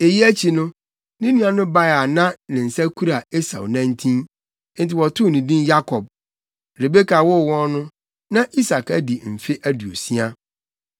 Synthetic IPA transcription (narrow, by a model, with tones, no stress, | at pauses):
e˨ji˦æ˦t͡ɕʰi˨nʊ̃˦ | nĩ˦nĩ˦ã˨nʊ̃˦ba˦ja˨nã˦nɪ̃˨n̩˨sæ˦kʰu˦ɾa˨e˦sa̰˨wnã˦n˦tʰĩ˦ | n̩˦tʰɪ˨wɔ˨tʰʊ˦˨nĩ˨dĩ˦nja˦kʰɔ˨b̚ | ɾe˨be˦kʰa˨wʊ˦˨wɔ̃˦nnʊ̃˦ | nã˦ʔi˦sa˨kæ˦di˨m̩˨fe˦ʔæ˦du˨o˨si˦a˦